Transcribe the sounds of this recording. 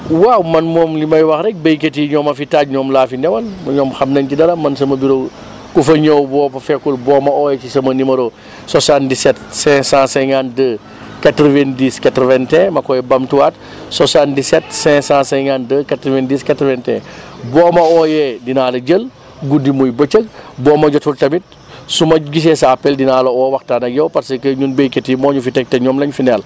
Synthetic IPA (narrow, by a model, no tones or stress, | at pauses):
wawmɐnmɔːmlimɐjwɐxɾɛk̚bɐjketiɲɔːmɐfitaːc̚ɲɔːmlaːfinɛwɐlmɐɲɔːmxɐmnɐncidɐɾɐmɐnsɐmɐbiɾo | kufɐɲowbɔːpɐfɛkːulbɔːmɐɔːjɛcisɐmɐnimɐɾo | sɔsandisɛtsɛ̃sãsɛŋandə | katɾəvɛndiskatɾəvɛntɛ̃mɐkɔjɛbɐmtuwaːt | sɔsandisɛtsɛ̃sãːsɛŋandəkatɾivɛndiːskɐtɾvɛntɛ̰̃bɔːmɐɔjɛdinaːlɐd͡ʒəl | ɡudimujbət͡ʃək̚bɔːmɐɟɔtultɐmit̚ | sumɐɡis̬ɛsɐɐpɛldinaːlɐɔːwɐxtaːnɐɡɛwpɐɾsɐkəɲunbeketimɔːɲufitɛk̚tɛɲɔmlɐɲfinɛl